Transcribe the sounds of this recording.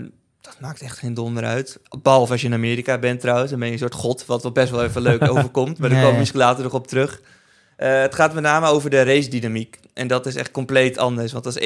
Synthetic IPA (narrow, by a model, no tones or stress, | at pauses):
n | d̥ɑtmaːktɛχtχejndɔndəɾœ̰ɥtbɑlˠɔfɔsjəɪnamɪːɾikabɛntrɔwənsdɑnbɛnjənsʊːɹtχɔtʋɑtʋɛlˠbɛstʋɛlˠefəløɥkowvəɹkɔmtmaɹdəkkɔmmɪskəlaːtərɔχɔp̚tərɵχ | əətχaːtmɛtnaːməowvəɹdərejsdinamik | ʔɛndɔtɪsɛ̰χt̚kɔmplejtɑndəɹsʋɑntɑs